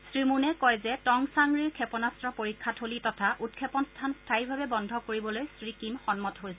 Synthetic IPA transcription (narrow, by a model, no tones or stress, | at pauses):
sɹimunɛkɔjzɛtɔŋsaŋɡɹiɹkʰɛpɔnastɹɔpoɹikʰːatʰholitɔtʰaʔut̚kʰɛpɔnstʰanstʰaiɹbʱabɛbɔndʱɔkoɹibɔlojsɹikimxɔnmɔtɦojsɛ